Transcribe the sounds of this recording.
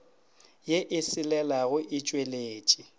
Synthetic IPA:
jeʔɪsɪlɛlaɣʊʔɪt͡ʃʼweleːt͡ʃʼi

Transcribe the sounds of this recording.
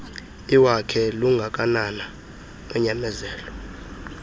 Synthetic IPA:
iwakʰɛluŋɡʱak̬ʼanana | ɛɲamɛzɛːlɔ

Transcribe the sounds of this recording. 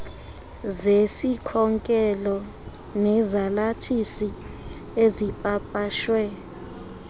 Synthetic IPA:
zesikʰɔŋkʼɛlɔ | nɛzalatʰisi | ezipʼapʼaʃwɛ

